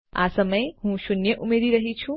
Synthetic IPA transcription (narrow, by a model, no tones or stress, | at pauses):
a̰səməjhũʃunjəʔumeɾiɾəɦit͡ʃʰũ